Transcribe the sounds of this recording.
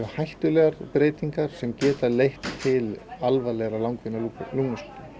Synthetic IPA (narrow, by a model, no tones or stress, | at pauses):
ʏhajht̪ʏlɛɣaɾpɾeːjt̪iŋkaɾ̥sɛmcɛːt̪alejht̪ʰːɪlalvalɛɣɾalawŋkvɪnːaluluŋnaslit̪ʏ